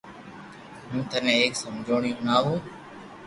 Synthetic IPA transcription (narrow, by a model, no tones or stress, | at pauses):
ɦũːt̪ənẽːeːksəmd͡ʒʱoːɳijũːnaːɦũː